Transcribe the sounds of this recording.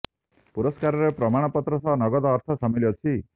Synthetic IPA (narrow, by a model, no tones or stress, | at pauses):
puɾɔskaɾɔɾepɾɔmaɽ̃ɔpɔt̪ɾɔsɔɦnɔɡɔd̪ɔːɾt̪ʰɔsɔmiliɔt͡ʃʰi